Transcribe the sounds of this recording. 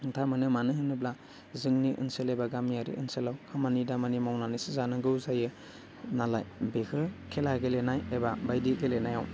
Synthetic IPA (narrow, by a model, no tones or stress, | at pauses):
tʰamɯnɯmanɯhɯnɯbla | zɯŋniʔɯ̰nselebaɡamijaɾḭɯ̰nselawkʰamanidamanimawnanisizanɯɡɯwzajɯ | nalajbekʰɯkʰelaɡelenajebabajdiɡelenajaw